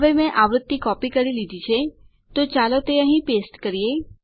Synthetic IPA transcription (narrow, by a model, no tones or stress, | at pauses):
əʋemɛ̃ʔaʋɾʊt̪ːikɔpikəɾilid̪ʱit͡ʃʰe | t̪ot͡ʃalot̪eəɦĩpesʈkəɾije